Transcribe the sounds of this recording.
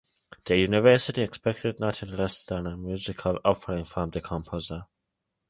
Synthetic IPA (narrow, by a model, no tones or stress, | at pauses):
ð̥əjuːnɪvɜːˑsɪtiɛkspɛk̚tɪd̚ⁿnɔtʰɪ̃nɾɛsdə̃nəmjʉːzɪkʰəlɔfəɹɪ̃ŋfɹɔ̃md̪əkʰɔ̃mpʰozə